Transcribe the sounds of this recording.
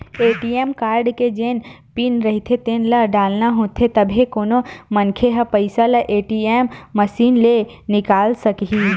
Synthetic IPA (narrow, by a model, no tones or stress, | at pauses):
eːʈiːeːmkaːɾɖked͡ʒeːn | pinɾɐɦit̪ʰet̪eːnlɐɖaːlnaɦoːt̪ʰet̪ɐbʱekoːnomɐnkʰeɦɐpəɪsalɐʔeːʈieːmːəʃiːnle | nɪkaːlsɐkɦi